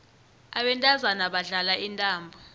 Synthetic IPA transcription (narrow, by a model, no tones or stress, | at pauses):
aɓɛntʼazanaɓaɮalaʔintʼaːmbʱɔ